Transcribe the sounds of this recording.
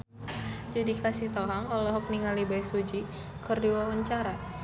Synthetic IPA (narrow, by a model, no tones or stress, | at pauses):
d͡ʒudikasiht̪ɔɦaŋɔlɔɦɔk̚niŋalibajsud͡ʒi | kərdiwawəɲt͡ʃaɾa